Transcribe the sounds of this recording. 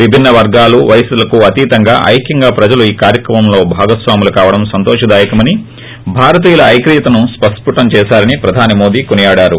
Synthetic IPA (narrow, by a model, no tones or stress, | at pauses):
ʋibʱinːɐʋɐɾɡaːluʋɐjsulɐkuɐt̪iːt̪ɐŋɡa̰ːʔɐ̰jkjɐŋɡaːpɾɐd͡ʒɐluiːkaːɾjɐkɾɐmɐmlo̞ːbʱaːɡɐsʋaːmulɐkaːʋɐɽɐmsɐnt̪oːʂɐd̪aːjɐkɐmɐni | bʱaːɾɐt̪̬iːjɐlɐːjkɾiːɐt̪ɐnuspɐʂpuʈɐmt͡ʃɛːsaːɾɐnipɾɐd̪ʱaːnimo̞ːd̪iːkonijaːɽaːɾu